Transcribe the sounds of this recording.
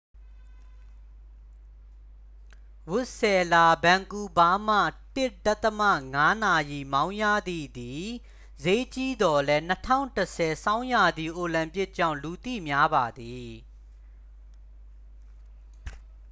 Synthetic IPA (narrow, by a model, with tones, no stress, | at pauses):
wʊ˦ʔsɛ˨la˨bã˨ŋku˨ba˦m̥a̰˦˨tɪ˦˨ʔda˦t̪əma̰˦˨ŋa˦na˨ji˨mã˦ʊ̃jä̰˦˨d̪ḭ˦˨d̪i˨ | ze˦t͡ɕi˦d̪ɔ˨lɛ˦n̥ə˦tʰã̰˦˨ʊ̃ntəsʰɛ˨sã˦ʊ̃ja˨d̪ði˨ʔo˨lã˨mpɪ˦ʔ̚t͡ɕã̰˦˨ʊ̃lu˨t̪ḭ˦˨mja˦ba˨d̪i˨